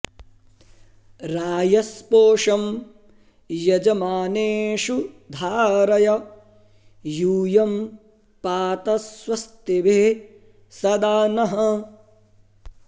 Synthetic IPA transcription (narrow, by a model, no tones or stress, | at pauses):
ɾaːjɐspoːʂɐm | jɐd͡ʒɐmaːneːʃud̪ʱaːɾɐjɐ | juːjɐm | paːt̪ɐswɐst̪ebʱeː | sɐd̪aːnɐɦɐ